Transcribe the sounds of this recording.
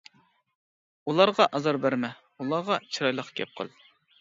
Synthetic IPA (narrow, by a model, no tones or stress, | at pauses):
ulˠɑɾʁɑʔɑzɑɾbæɾmɛ | ulˠɑʁɑt͡ʃʰiɾɑjlˠəqkʲʰɛ̰p̚qʰə̰lˠ